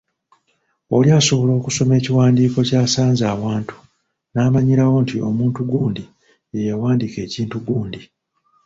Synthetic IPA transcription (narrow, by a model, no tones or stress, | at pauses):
o̞liaːso̞βolo̞ːkuso̞me̞ːciwaːndiːko̞caːsaːnzaːwaːntu̥ | naːmaɲiɾawo̞ntio̞muːntuɡuːndi | ejawaːndike̞ːciːntuɡuːndi